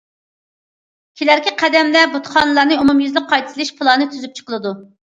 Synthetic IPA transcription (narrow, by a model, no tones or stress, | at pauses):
kʲʰelæɾkʲiqʰæd̪ɛmlɛbut̪χɑnɨlˠɑɾnɨumumjyzlɪk̚qːɑjt̪ʰlˠɨʃpʰɨlˠɑnɨt̪ʰyzyp̚t͡ʃʰə̥qəlˠɨd̪u